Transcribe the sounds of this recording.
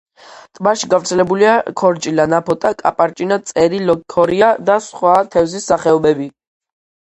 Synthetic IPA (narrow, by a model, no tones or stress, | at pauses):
t̪ʼmaʃiɡavɾt̪sʰɛlɛbuliakʰɔɾt͡ʃʼilanapʰɔt̪ʼakʼapʼaɾt͡ʃʼinat̪sʼɛɾilɔkʰɔɾiad̪asχwat̪ʰɛvzisːaχɛɔbɛbi